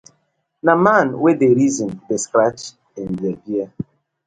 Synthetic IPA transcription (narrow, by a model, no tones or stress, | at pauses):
namanwedeɾizɔ̃ndeskɾat͡ʃ | ɪn̩bebia